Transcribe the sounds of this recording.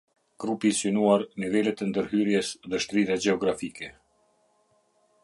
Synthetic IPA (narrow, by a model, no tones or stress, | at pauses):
ɡ̥ɾupisynuaɾnivɛlɛt̪ɛnd̪əɾɦyɾjɛsðɛʃt̪ɾiðɛd͡ʑɛɔɡɾafikɛ